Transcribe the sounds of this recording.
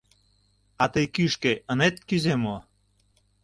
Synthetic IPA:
at̪əjkyʃkeənet̪̚kyzemo

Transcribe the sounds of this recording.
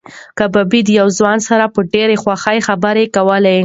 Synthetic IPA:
kababid̪jawzwɑnsaɾapəɖeɾexwaxajxabəɾekawəlaj

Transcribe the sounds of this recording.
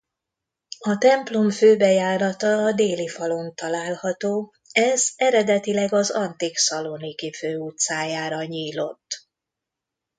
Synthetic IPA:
ɒt̪ɛmplomføːbɛjaːɾɒt̪ɒːd̪eːlifɒlo̞nt̪ɒlaːlhɒt̪oː | ɛzɛɾɛd̪ɛt̪ilɛɡɒzɒnt̪iksɒlonikiføːut̪saːjaːɾɒɲiːlo̞̰t̪ː

